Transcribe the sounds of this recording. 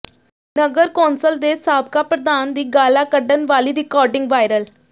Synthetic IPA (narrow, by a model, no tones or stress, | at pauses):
nəɡəɾkaːnsəld̪esaːb̚kapɾəd̪aːnd̪iːɡaːlakəɖənʋaːliɾɪkɔːɾɖɪ̃ŋɡʋaːjɾəl